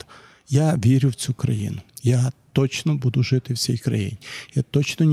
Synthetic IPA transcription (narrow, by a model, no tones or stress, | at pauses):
jaʋʲiɾʲʊwt͡sʲukɾɐjḭnʊjat̪ɔt͡ʃnɔbud̪ʊʒɪt̪ɪwsʲḭjkɾɐ̰jḭnʲijat̪ɔt͡ʃnɔnʲ